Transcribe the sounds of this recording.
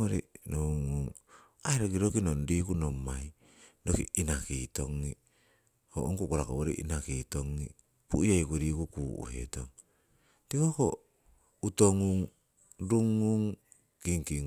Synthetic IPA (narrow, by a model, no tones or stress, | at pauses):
oɾḭnouŋuŋ | aeɾokiɾokinonɾikunomːaj | dokiinakitoŋːi | ho̰ʔoŋkukoɾako̰βoɾiʔḭnakitoŋːi | puiajkuɾikukuṵhḛtoŋ | tikoko | utoŋuŋ | ɾuŋːuŋ | kiŋkiŋ